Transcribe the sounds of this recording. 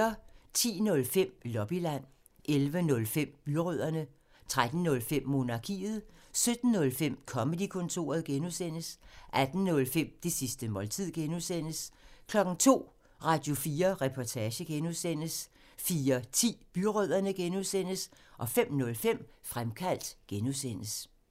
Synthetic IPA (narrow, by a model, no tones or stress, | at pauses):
ɐt͡sʰḭːnɔ̽lfem̰lɒ̽b̥ilæn̰ | ʔelʋənɔ̽lfem̰b̥yʁøð̰ˠɐnə | t͡sʰʁad̥n̩nɔ̽lfem̰ːo̝ːnɑ̈kʰḭːð̩ˠsød̥n̩ːɔ̽lfem̰kʰɒ̽məd̥ikʰɔ̽nt͡sʰo̝̰ːɐðˠɡ̥enuðˠsen̰əsʔæd̥n̩nɔ̽lfem̰d̥e̝sisd̥əmɒ̽lt͡sʰið̞̰ˠɡ̥enuðˠsen̰əskʰlɒ̽ɡ̥n̩t͡sʰo̝̰ː | ʁɑ̈d̥jo̝fiːɐʁɛpʰɒt͡sʰæːɕəɡ̥enuðˠsen̰əs | fiːɐt͡sʰḭːb̥yʁœð̞̰ˠɐnəɡ̥enuðˠsen̰əsʔɒ̽fem̰nɔ̽lfem̰fʁamkʰæl̰d̥ɡ̥enuðˠsen̰əs